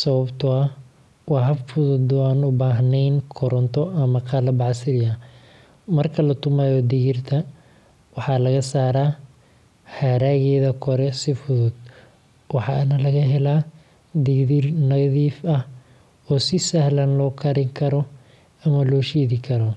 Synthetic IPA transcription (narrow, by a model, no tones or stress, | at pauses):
sɐβɐbt̪ʰʊɐ | wɑːɦɐfʊðʊd̪ɔaːnʊbaːɦnɛjnkʰɔɾɔnt̪ʰɔʔɐmɐqɑlɐbɑʕsɪɾja | mɐrkʰɐlɐt̪ʰʊmajɔd̪ɪɣɪrt̪ʰɐ | wɑħɑːlɐɣɐsaːɾaː | haːɾaːɣɛːðɐkʰɔɾɛsɪfʊðʊd̪̥̚ | wɑħɑ̰ːnɐlɐɣɐɦɛlaː | d̪ɪðɪrnɐðiːfɐh | ɔːsɪsɐhlɐnlɔːkʰɐɾɪŋkʰɐɾɔ | ɐmɐlɔːʃiːðɪkʰɐɾɔ